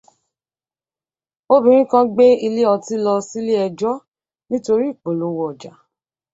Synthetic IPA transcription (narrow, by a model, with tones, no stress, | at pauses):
o˦bĩ˦ɾ̃ĩ˦kã˦ɡ͡be˦i˧le˦ɔ˧ti˦lɔ˧si˦le˦ɛ˧d͡ʒɔ˦ | nĩ˦to˧ɾi˦i˦˨k͡po˨lo˨˦wɔ˦˨ɔ˨d͡ʒa˨